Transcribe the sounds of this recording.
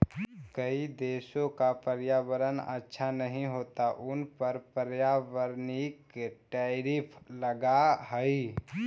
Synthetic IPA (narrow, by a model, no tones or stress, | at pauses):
kəid̪eːsõkapəɾjaʋəɾənə̰tːʃʰanəɦĩɦoːt̪aʔʊnpəɾpəɾjaʋəɾnɪkʈɛɾipʰləɡaɦəi